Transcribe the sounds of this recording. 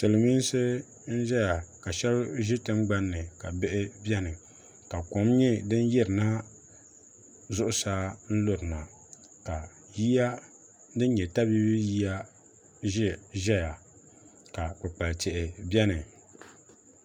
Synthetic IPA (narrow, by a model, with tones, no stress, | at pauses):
sɨ˨lɨ˨mi˦n˦sɨ˦ | n̩˦ʒɛ˦ja˨ka˨ʃɛ˦lʒɪ˦tɨ˦mɡ͡ba˦nːɨ˨ka˨bɪ˦ʔɪ˦bɛ˦nɨ˨ | ka˨ko˨˦mɲɛ˦dɨ˦n˦jɛ˦ɾɨ˨na˦ | zʊ˦ʔʊ˦sa˦n̩˦lo˦ɾɨ˨na˨ | ka˨ | ji˦ja˦ | dɨ˦n˦ɲɛ˨ta˦bi˦bɨ˦ji˦ja˦ | ʒɛ˦ʒɛ˦ja˨ | ka˨k͡pɨ˨k͡pa˨lt͡ʃɛ˨ʔɪ˨bɛ˦nɨ˨